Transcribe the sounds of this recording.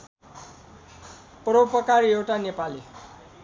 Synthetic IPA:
proupʌkaɾiewʈanepali

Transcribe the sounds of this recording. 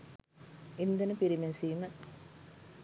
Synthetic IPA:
ind̪ənəpiɾimensiːmə

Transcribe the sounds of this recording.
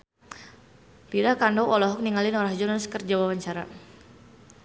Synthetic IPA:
lidahkandɔwʔɔlɔɦɔk̚niŋalɪnɔɾahd͡ʒɔnaskərd͡ʒawawaɲt͡ʃaɾa̰

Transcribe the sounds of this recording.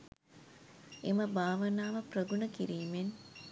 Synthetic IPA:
eməbaːʋənaːʋəprəɡunəkiɾiːmen

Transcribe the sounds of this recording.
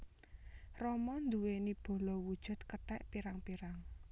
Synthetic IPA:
rɔmɔnd̪uwenib̥o̤lɔwud̥ʒ̥ʊ̤t̪̚kəʈɛʔpiɾaŋpiɾaŋ

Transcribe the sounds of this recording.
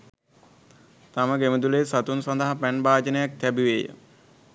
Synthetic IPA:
t̪aməɡeməd̪uleːsat̪unsand̪əɦapænbaːd͡ʒənəjak̚t̪æbiʋeːjə̰

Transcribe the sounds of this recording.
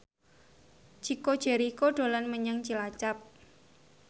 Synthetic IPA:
t͡ʃiko̥ʒ̥eɾikoɖ̥o̤lanməɲaŋt͡ʃilat͡ʃap̚

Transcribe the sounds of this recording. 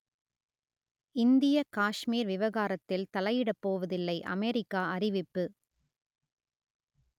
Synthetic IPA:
ɪnd̪ɪjɐkaːʂmiːɾʋɪʋɐɣaːɾɐt̪ːɪlt̪ɐlɐjɪɽɐpːoːʋɐðɪlːɐɪʔɐ̰meːɾɪkːaːɐɾɪʋɪpːɯ

